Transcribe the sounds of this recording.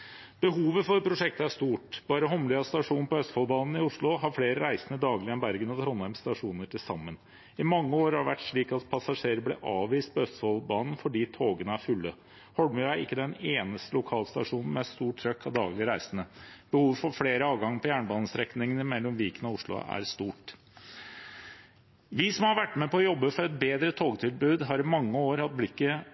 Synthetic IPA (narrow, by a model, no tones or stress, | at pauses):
b̥əɦuːʋəfɔɾpɾʊʂɛk̚t̪əæʂt̪uːʈbɑːɾəɦɔmlɪɑst̪ɑʂuːn̩pɔœst̪fɔlbɑːnn̩ɪʊʂɭʊɦɑɾfleːɾəɾæɪsənəd̪ɑːɡlɪɛnbæɾɡənɑt̪ʰɾɔnæmst̪ɑʂuːnəʈʰɪlsɑmːən | ɪmɑŋːəoːɾhɑɾʋæʈːʂɭiːkɑt̪pʰɑsɑʂeːɾəblɛ̰ʔɑːʋʋiːst̪̚pʰɔœst̪fɔlbɑːnn̩fɔɖiːt̪ʰoːɡənəæɾfʉlːə | hɔlmʉæɾɪ̰kːəd̪ɛneːnəst̪əlʊkʰɑːlst̪ɑ̰ʂuːnn̩mɛt̪st̪uːʈʰːɾœkʰːɑd̪ɑːɡlɪəɾæɪsənəb̥əhuːʋfɔɾfɽeːɾəɑːʋɡɑŋːpʰɔjæːɳəbɑːnəsɾɛknɪŋənəmɛlːɔmʋiːkənəɔʊʂɭʊ̰æ̰ɾst̪uːʈ | ʋɪsɔmhɑɾʋæʈːmɛpɔɔjɔbːəfɔɾɛt̪̚beːd̪ɾət̪ʰoːɡt̪ʰɪlbʉːd̪ɦɑɾɪmɑŋːəoːɾhɑt̪̚blɪkːə